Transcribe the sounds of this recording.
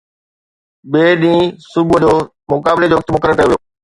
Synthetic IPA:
beːɗĩːsʊbud͡ʑoː | mʊkaːbɪled͡ʑoːʋɐk̚t̪mʊkəɾəɾkɐjoʋijoː

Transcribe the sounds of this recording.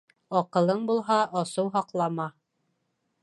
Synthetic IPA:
ɒqɤ̆lˠɤɴbulˠɦɑʔɑsɤwɦɑqlˠɑmɑ

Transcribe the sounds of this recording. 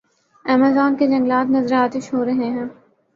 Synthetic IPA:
ɛːmazaːnked͡ʒɐ̃ŋɡlaːt̪nɐzəɾaːt̪ɪʃɦoːɾɐɦeɦɛ̃ː

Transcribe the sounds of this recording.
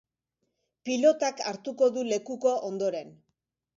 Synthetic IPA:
pilo̞t̪akaɾt̪uko̞ðule̞kuko̞ʔond̪o̞ɾe̞n

